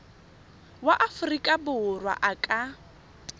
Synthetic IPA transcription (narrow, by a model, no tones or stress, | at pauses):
waʔafʊrikʼabʊʊrwa̰ʔakʼa